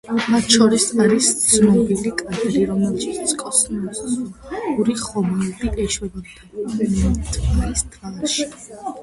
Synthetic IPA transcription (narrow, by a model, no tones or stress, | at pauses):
mat̪ʰʃɔɾisaɾist̪sʰnɔbilikʼad̪ɾiɾɔmɛlˠʃiskʼɔsʼmɔs | uɾiχɔmald̪iʔɛʃwɛbɔd̪d̪a | t̪ʰvaɾist̪ʰvaʃi̥